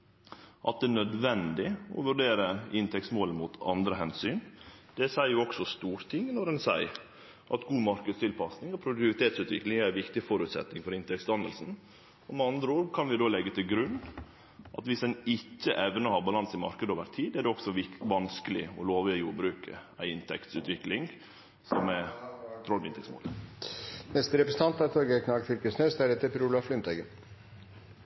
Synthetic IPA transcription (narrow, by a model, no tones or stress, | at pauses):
ʔɑt̪̚d̪ɛːnœd̪ʋɛnd̪ɪɔ̰ʋʉɾɖeːɾəɪnt̪ʰɛksmoːlənmut̪ɑ̰nd̪ɾəɦɛnsyːn | d̪̥ɛsæɪəjʊɔksɔst̪uːɾt̪ʰɪŋːnɔɖɛnsæɪɾ | ʔɑ̰t̪ɡuːmɑɾkəd̪st̪ʰɪlpʰɑsnɪŋɔpʰɾʊd̪ʉt̪ɪʋɪt̪ʰeːt̪sʉːt̪ʋɪ̰klɪŋæɾʋɪkt̪ɪfɔɾʉːt̪sɛ̰t̪nɪŋfɔɾɪnt̪ʰɛkst̪ɑnd̪əlsn̩ | ɔmɛɑnd̪ɾəoːɾkʰɑnʋɪd̪oːlɛɡːət̪ʰɪlɡɾʉnː | ʔɑ̰t̪ʋɪsɛnɪcːə̰ʔɛʋnəhɑɾbɑlɑnsɪmɑ̰ɾkəd̪əoːʋəɾt̪ʰiːd̪ædɛɔksɔʋɪʋɑnskəlɪ̰ɔ̰loːʋɪəjuːɾbɾʉːkʰə̰æɪɪnt̪ʰɛkt̪sʉ̰ːt̪ʋɪklɪŋ | sɔmɛt̪ʰɾɔlʋɪnt̪ʰɛksmo̰ːlə | nɛst̪əɾɛpɾəsn̩t̪ɑnt̪ɑɾt̪ʰɔɾɡəkʰnɑɡfɪɾkəsnøːsd̪æɾɛt̪ːəpɾulɑflʏnt̪æɡən